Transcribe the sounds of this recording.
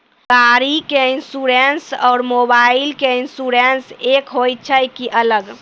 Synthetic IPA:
kaɾikeinsuɾensɔːɾmobaɪilkeinsuɾensekɦojt̪̚t͡ʃʰəjkiʔələɡ

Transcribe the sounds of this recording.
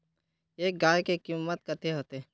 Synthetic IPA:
eːk̚ɡaːjkekimːət̪kət̪ʰeɦoːt̪e

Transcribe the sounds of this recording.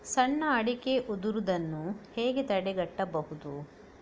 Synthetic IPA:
sɐɳːɐɐɽike̞ʔud̪uɾud̪ɐnːuheːɡet̪ɐɽɛɡɐʈːɐbɐhud̪u

